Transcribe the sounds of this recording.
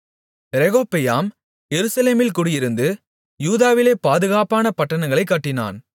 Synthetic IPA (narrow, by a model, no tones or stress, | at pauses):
ɾɛɣoːpːɛjaːm | jɛɾɯsɐleːmɪlkʊːɽɪjɪɾɯnd̪ɯ | juːðaːʋɪleːpaːðɯɣaːpaːnɐpɐʈːɐnɐŋɡɐɭɐɪkːɐʈːɪna̰ːn